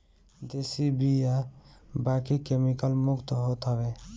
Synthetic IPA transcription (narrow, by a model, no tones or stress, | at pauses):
d̪esibijabakikemikəlmukt̪ɦot̪ɦəbe